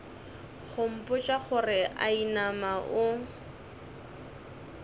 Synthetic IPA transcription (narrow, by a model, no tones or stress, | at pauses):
χʊm̩pʼʊt͡ʃʼaχʊrɪʔa̰inamaʔʊ